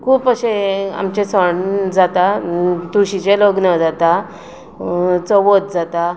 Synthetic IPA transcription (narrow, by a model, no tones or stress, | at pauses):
kʰuːpəɕea̰mt͡ɕẽsəɳd͡zat̪at̪uɕit͡ɕeloɡnəd͡zat̪a | t͡sɔʋot̪̚d͡zat̪a